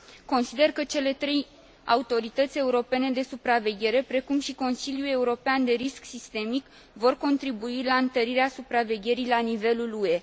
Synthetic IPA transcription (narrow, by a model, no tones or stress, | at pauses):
ko̞nsid̪e̞rkət͡ʃe̞le̞t̪ɾe̞j | a̰ut̪o̞ɾit̪ət̪sʲe̞uɾo̞pe̞ne̞d̪e̞supɾave̞ɡʲe̞ɾe̞pɾe̞kumʃiko̞nsiljue̞uɾo̞peand̪e̞ɾisksist̪e̞mik | vo̞rko̞nt̪ɾibuilaɨnt̪əɾiɾeasupɾave̞ɡʲe̞ɾijlanive̞lulue̞